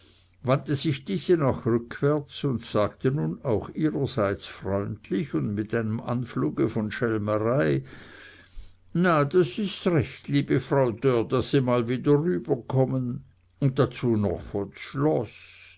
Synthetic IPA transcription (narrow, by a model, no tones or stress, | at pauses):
vantəziçd̥iːz̥ənaχʁʏkʰv̥ɛɐt͡sʊntsaːɡtənunaʊxiːʁəzaɪt͡sfʁɔʏntʰlɪçʊndmɪtaɪnəmʔa̰nfluːɡəfɔnʃɛlməʁaɪ | nad̥asɪstʁɛçtliːb̥əfʁaʊdød̥asːimaːlviːdəʁyːbɐkʰɔmən | ʊnt̚dat͡suːnɔ̰χfoːʃlɔs